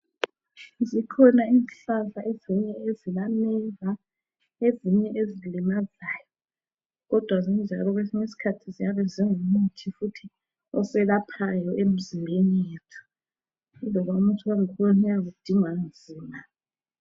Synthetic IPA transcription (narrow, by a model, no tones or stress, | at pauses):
zikʰɔnainɬavaʔeziɲɛezilanɛla | eziɲɛʔezilimazaːjɔ | ɣɔd̥ʱwazind͡ʒʱa̰lɔɣ̬wesiɲesi̥kʰatʰizijaβɛzʱɛŋumutʰifutʰi | ɔsɛlapʰajɔʔem̩zimbʱenijeːtʰu̥ | lɔβaumutʰuwaŋikʰɔunɛjaɣud̥ʱiŋwanzʱiːma